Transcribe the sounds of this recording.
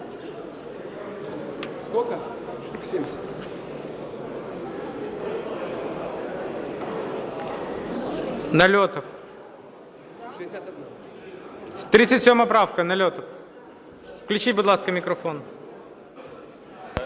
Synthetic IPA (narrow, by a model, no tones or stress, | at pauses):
skokə | emʲɪsʲt̪ | nɐlʲot̪əf | st̪ɾʲit̪sɨtʲsʲomɐpɾafkənɐlʲot̪əf | fklʲʉt͡ɕitʲbʊd̪lˠaskəmʲɪkɾɐfon